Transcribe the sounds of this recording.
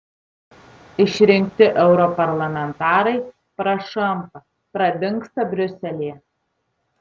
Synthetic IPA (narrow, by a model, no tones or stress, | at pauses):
ɪʃʲɾʲɪŋʲkt̪ʲɪʔɛʊɾɔpɐɾlˠɐmʲɛnt̪ɑːɾɐɪ | pɾɐʃɐmpɐ | pɾɐd̪ʲɪŋˑkst̪ɐbʲɾʲɵsʲɛlʲiː